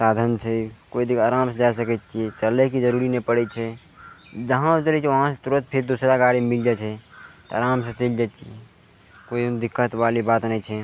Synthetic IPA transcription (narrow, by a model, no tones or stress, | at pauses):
sad̪ʱənt͡ʃʰɛkoid̪ikaɾamsed͡ʒajsəkɛt̪t͡ʃʰiɛt͡ʃəlɛkid͡ʒəɾuɾinɛpəɽɛt͡ʃʰɛ | d͡ʒəɦãt͡ʃəlɛt͡ʃʰɛʋəɦãsẽt̪uɾət̪̚pʰeɾd̪usɾaɡaɽimild͡ʒat͡ʃʰɛt̪aɾamset͡ʃəld͡ʒat̪t͡ʃʰiɛ | koid̪ikːət̪balibat̪nɛjt͡ʃʰɛ